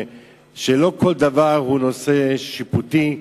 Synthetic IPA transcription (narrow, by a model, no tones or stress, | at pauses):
ʃelo̞kʰo̞ld̪avaʁhuno̞seʃiput̪i